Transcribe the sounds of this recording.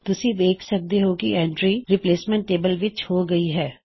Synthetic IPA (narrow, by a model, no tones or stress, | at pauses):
t̪ʊsĩːd̪eːkʰsək̚d̪eɦoːkḭɛ̃ːɳʈɾiːɾɪpleːsmɛ̃ɳʈːeːbəlʋɪt͡ʃhoːɡəiɦɛː